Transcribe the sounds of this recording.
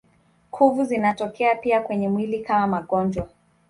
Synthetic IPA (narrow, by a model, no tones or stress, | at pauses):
kʰuvuzinatɔkɛapiakwɛɲɛmwilikamamaɠɔnd͡ʒwa